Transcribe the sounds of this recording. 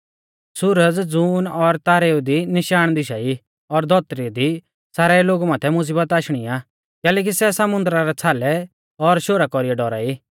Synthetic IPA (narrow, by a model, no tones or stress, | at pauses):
sʊɾəd͡zd͡zuːnɔɾt̪aːɾeːud̪inɪʃaːɽ̃d̪ɪʃai | ɔɾd̪ʱɔt̪ɾid̪i | saːɾɛiloːɡumaːt̪ʰɛmʊs̬iːbət̪aːʃɽ̃iaː | kɛːlɛːk̬isɛsɐmʊ̃nd̪ɾaɾɛt͡sʰaːlɛ | ɔɾʃoːɾakɔɾijɛɖɔɾa̰ːi